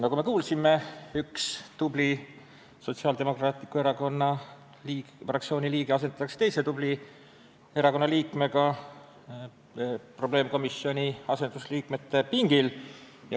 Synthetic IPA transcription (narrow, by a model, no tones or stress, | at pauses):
nɑɡ̥ume̞kuːlsime̞ykst̪ubli | so̞t̪siɑld̪e̞mo̞krɑːt̪ˑikːue̞ɾɑko̞nːɑ | li | frɑk̚tsio̞ːniliːɡ̥eɑs̬e̞nt̪ɑt̪ːɑkse̥t̪e̞jsed̪̥ubli | e̞ɾɑko̞nːɑliːkˑme̞ɡɑ | pro̞b̥le̞ːmko̞misːio̞nʲiɑse̞nd̪̥usliːkme̞t̪ːe̞piŋɡ̥il | jɑ